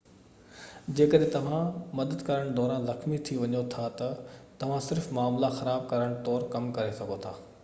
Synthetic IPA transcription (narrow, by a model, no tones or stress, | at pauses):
d͡ʑeːkəɗɦẽt̪ɐʋ̤ãmɐd̪əd̪kɐɾəɽ̃d̪ɔːɾãːzɐxmit̪ʰiʋɐɲot̪ʰat̪ɐt̪ɐʋ̤ãsɪɾfmaːmlaxɐɾaːb̚kɐɾəɽ̃t̪ɔːɾkɐmkɐɾesɐɡʱot̪ʰa̰ː